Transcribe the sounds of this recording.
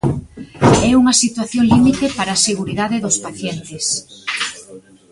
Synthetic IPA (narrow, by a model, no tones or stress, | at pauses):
ɛuŋɐsit̪waθjoŋlimit̪epaɾaːseɣuɾiðaðɪðʊspaθjɛnt̪ɪs